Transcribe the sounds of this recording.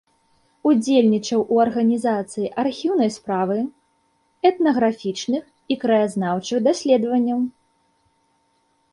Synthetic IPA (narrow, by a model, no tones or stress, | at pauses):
ud͡zʲelʲnʲit͡ʂɐwʔuɐrɣɐnʲizat̪sɨjiʔarxʲiwnɐjspɾavɨ | ɛt̪nɐɣɾafʲit͡ʂnɨx | ikɾɐjaznawt͡ʂɨɣd̪asʲlʲɛd̪vɐnʲːɐw